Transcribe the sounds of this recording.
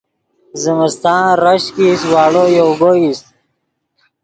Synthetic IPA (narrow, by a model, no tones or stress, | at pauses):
zimɪst̪ãːɾəɕkiswaːɽojoɡois